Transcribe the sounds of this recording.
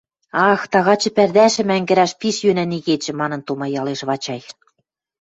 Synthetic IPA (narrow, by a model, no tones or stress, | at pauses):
ɑxt̪ɑɣɑt͡ɕɤ̆pærd̪æʃɘ̆mæŋɡɘ̆ɾæʃpiʃjønæniɣet͡ɕɘ̆mɑnɤ̆nt̪umɑjɑleʃβɑt͡ɕɑj